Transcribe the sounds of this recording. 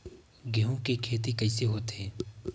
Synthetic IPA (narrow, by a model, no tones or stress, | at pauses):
ɡeɦõkekʰeːt̪̬ikəɪseɦoːt̪ɦɛː